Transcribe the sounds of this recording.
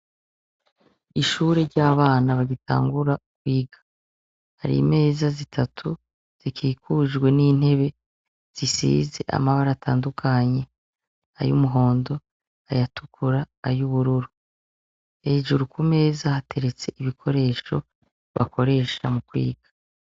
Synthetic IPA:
iʃuːɾe̞ɾɟaːβaːnaβaɟitʰa̰ːŋɡuɾaukwiːɡḁ | haɾḭme̞ːzazitʰatʰu | z̥ikʰiːkuʒɡwe̞niːn̥he̞βe̞ | z̥isḭːze̞ʔa̰maβaɾatʰa̰ːndukʰaɲe̞ | a̰jṵmuɦo̞ːndo̞ | ajatukʰuɾaːjuβuɾuɾu | e̞ʒuɾukume̞ːzahatʰe̞ɾe̞t͡se̞ʔiβikʰo̞ɾe̞ːʃo̞̰ | βa̰ko̞ɾe̞ːʃa̰mukwḭːɡ̥ḁ

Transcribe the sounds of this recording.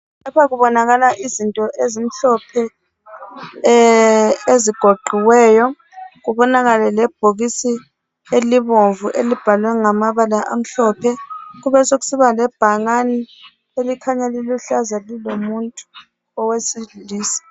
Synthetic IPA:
apaɣuβɔnaɣalaʔizintʼɔʔezim̩ɬɔpʰɛ | eziɡ̥ʱoɡ͡ǃʱiwɛːjɔ | ɣuβɔnaɣalɛlɛb̥ʱoɣisi | eliβoɱvuʔelib̥ʱalwɛŋamaβalaʔa̰m̩ɬɔpʰɛɣuβɛsoɣu̥siβalɛb̥ʱaŋani | elikʰaɲɛliluɬazalilomuntʼu̥ | ɔwesiliːsi̥

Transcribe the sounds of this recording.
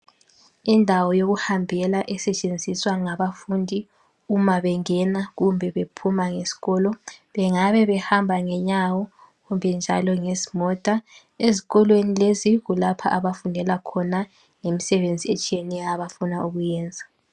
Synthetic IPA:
indʱawɔjoɣuhambʱɛlaʔɛsɛt͡ʃʼend͡zʱiswaŋaβafundʱi | umaβɛŋɛnaɣumbʱɛβepʰumaŋesi̥ɣɔlɔβɛŋaβɛβɛhambʱaŋɛɲawɔ | ɣumbʱɛnd͡ʒʱa̰lɔŋezimɔtʼa | eziɣɔlwenileziɣulapʰa̰ʔaβafundʱɛlakʰɔna | ŋemisɛβend͡zʱiet͡ʃʼijɛnɛjaːβafunauɣujɛːnd͡zʱa

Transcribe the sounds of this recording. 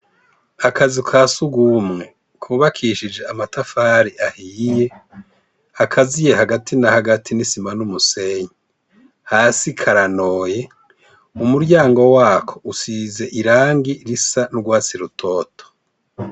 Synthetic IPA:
akazikʰaːsuɡumŋe̞ | kʰuβakʰiːʃid͡ʒe̞amatafaːɾiʔahiːje | akʰazije̞haɡatʰinahaɡatʰinisimanumuse̞ɲe | haːsikʰaɾano̞ːje̞ | umuɾɟaːŋɡo̞waːkʰo̞̥ʔusize̞ʔiɾaːŋɡiɾisanuɡwaːt͡siɾutʰo̞ːtʰo̥

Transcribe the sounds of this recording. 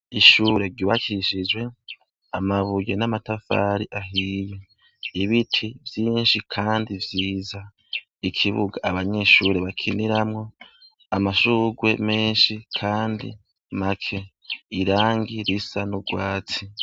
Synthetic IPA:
iʃuɾe̞ɾɟuβakiʃid͡ʒwe̞ | amaβujenamatafa̰ɾiʔaɦiːje | iβitʰivjiːnʃikʰaːndivjiːza | ikʰiβṵɡaːβaɲe̞ːʃuːɾe̞βakʰiniɾamŋo̞ | amaʃuɡwe̞meːnʃikʰaːndḭ | makʰe̞ː | ɾaːŋɡiɾisanuɡwaːt͡si

